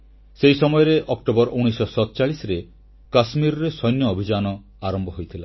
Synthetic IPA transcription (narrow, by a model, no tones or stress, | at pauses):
sejsɔmɔjɔɾeʔɔkʈobɔɾʔuñisɔsɔtt͡ʃaɭisɾe | kasmiɾɔɾesɔjnjɔːbʱid͡ʒanɔ | aɾɔmbʱɔɦojt̪ʰila